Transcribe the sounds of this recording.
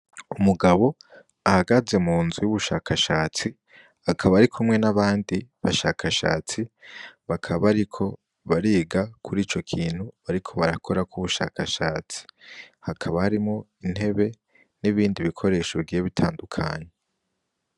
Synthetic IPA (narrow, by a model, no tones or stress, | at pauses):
umuɡaβo̞ | ahaɡaze̞muːnzujuβuʃaːkaʃaːt͡si | hakʰaβaɾikʰumŋe̞naβaːndiβaʃaːkʰaʃa̰ːt͡siβakʰaβaɾikʰo̞ | βaɾiːɡakʰuɾiːt͡ʃo̞kʰiːn̥huβaɾikʰo̞βaɾakʰo̞ɾakuβuʃa̰ːkʰaʃaːt͡si̥hakʰaβahaɾimŋo̞ | in̥he̞βe̞ | niβiːndiβikʰo̞ɾe̞ːʃoβiɡiːjeβitʰaːndukʰa̰ːɲe̞